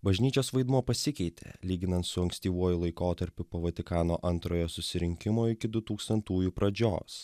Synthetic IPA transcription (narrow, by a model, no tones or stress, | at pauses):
bɐʒʲnʲiːt͡ʃʲoːsʋɐɪd̪muɔpɐsʲɪkʲɛɪt̪ʲʰḛːlʲiːɡʲɪnɐnt̪sʊɐŋksʲt̪ʲiːʋuɔjʊlˠɐɪkoːt̪ɐɾʲpʲɪpoːʋɐt̪ʲɪkɑːnoːʔɐnt̪ɾoːjoːsʊsʲɪɾʲɪŋʲkʲɪmoːɪkʲɪd̪ʊt̪uːkst̪ɐnt̪uːjupɾɐd͡ʒʲo̰ːs